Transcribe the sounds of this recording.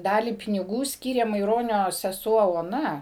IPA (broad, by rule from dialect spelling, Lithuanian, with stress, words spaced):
ˈdɑːlʲiː pʲɪnʲɪˈɡuː ˈsʲkʲiːrʲeː mɐɪˈroːnʲoː sʲɛˈsuɔ oːˈnɐ